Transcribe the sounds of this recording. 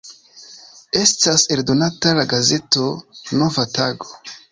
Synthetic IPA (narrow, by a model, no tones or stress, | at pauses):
e̞stase̞ldo̞natalaɡaze̞to̞no̞vataɡo̞